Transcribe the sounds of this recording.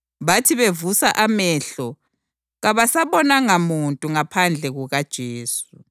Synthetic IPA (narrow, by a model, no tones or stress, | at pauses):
βatʰiβevusaʔamɛɬɔ | ɣaβasaβɔnaŋamuntʼuŋapʰand͡ɮʱɛɣuɣad̥ʒ̥ʱeːsu